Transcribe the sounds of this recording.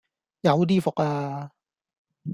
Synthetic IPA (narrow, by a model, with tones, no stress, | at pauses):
ja˨˦wdiː˧fɔ˨˩kaː˧